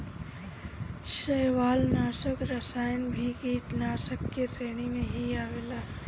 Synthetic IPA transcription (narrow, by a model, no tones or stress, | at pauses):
ʃeɦʋaːlnaːsəkɾəsaːjənbʱikiːʈnaːsəkːeseːɽ̃imẽɦiaːʋeːlaː